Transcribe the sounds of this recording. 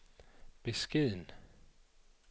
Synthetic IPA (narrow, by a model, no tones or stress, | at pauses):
b̥esɡ̥eðˠn